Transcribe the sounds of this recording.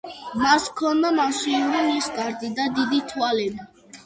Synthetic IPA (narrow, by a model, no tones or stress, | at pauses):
maskʰɔnd̪amaʃiuɾinisk̪ʼaɾd̪id̪ad̪id̪it̪ʰwalɛbi